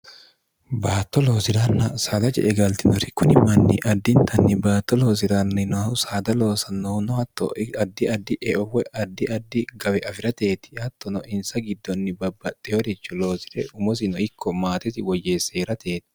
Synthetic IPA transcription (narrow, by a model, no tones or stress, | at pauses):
baːt̪ːɔlo̞ːsɪɾanːɐsaːd̪ɐd͡ʒɛ̰ʔɛɡɐlt̪ɪnɔɾɪkːʊnɪmːɐnːɪʔɐd̪ːɪnt̪ʰɐnːɪbaːt̪ːɔlo̞ːs̬ɪɾanːɪnɔsaːd̪ɐlo̞ːsɐnɔnɔhɐt̪ːɔ̰ɐd̪ːɪɐd̪ːɪʔɛʔɔwɛʔɐd̪ːɪɐd̪ːɪɡɐwɛʔɐfɪɾɐt̪e̞ːt̪ɪ̥ɐt̪ːɔnɔʔɪnsɐɡɪd̪ːɔnːɪbɐbːɐt̪ʼːɛɔɾɛt͡ʃːʊlo̞ːsɪ̥ɾɛʊmɔs̬ɪnɔɪkːɔmaːt̪ɪsɪwɔjːe̞ːseːɾɐt̪eːt̪ɪ̥